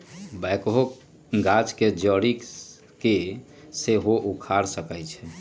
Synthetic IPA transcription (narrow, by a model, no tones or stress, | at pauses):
bɛjkɦok | ɡat͡ʃked͡ʒəɽi | ke | seɦoʔukʰaɾsəkəjt͡ʃʰɛ